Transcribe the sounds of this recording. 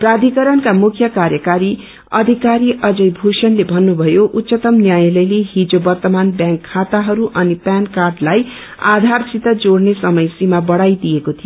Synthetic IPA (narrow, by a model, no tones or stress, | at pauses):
prad̪ʱikʌɾʌnkamukʰjʌkaɾjʌkaɾi | ʌd̪ʱikaɾiʔʌd͡zʌjbʱusʌnlebʱʌnːubʱʌjoʔut̪ːsʌt̪ʌmnjajlʌjleɦid͡zobʌrt̪ʌmanbjãŋkʰːat̪aɦʌɾuʔʌnipankarɖlaj | a̰d̪ʱarsit̪ʌd͡zoɽnesʌmʌjsimabʌɽajd̪ijekot̪ʰijo